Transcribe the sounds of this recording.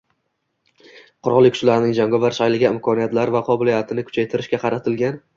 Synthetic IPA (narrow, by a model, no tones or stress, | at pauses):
qʰʊɾɒlˠɪkʰʊ̥ʃlaɾnɪŋd͡ʒaŋɡɒvaɾʃajlɪɡʲaɪmkʰɒnijat̪laɾvaqʰɒbɪlijat̪ʰɪnɪkʰʊ̥t͡ʃʰajt̪ʰɪɾɪʃkʲaqʰɑɾat̪ʰɪlɡʲan